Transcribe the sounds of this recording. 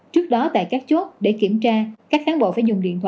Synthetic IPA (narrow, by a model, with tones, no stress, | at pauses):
t͡ɕɨ˦˥ək̚ɗɔ˨˦t̪a̰ː˧˨jkaː˦˥k̚t͡ɕo˦˥t̚ɗe˧˩ki˧˩əmt͡ɕaː˧kaː˦˥k̚xaː˨˦nɓo̰˧˨faː˧˩jzʊ˨˩ŋ͡mɗḭ˧˨ənt̪ʰwa̰ː˧˨